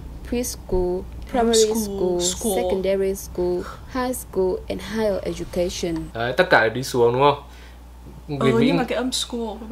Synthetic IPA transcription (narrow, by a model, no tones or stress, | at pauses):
pʰɹiskulpɹamɛɹiskusɛə̃ndɛɹiskulhajskulɛ̰̃nɦajlʔɛ̰d͡ʒukeʃɔ̃nat̪ət̚kaːɗisuəŋnuə | ŋɨəḭkəmsku